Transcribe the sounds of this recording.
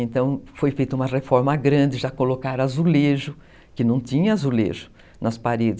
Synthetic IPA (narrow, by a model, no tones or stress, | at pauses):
ẽnt̪ɐ̃w̃fojfejt̪ɐũmɐrefɔɾmɐɡɾɐ̃d͡ʒɪʒakolokaɾazuleʒʊ | kɪnɐ̃w̃t̪ĩɲɐazulḛʒʊ | nɐspaɾed͡ʒɪ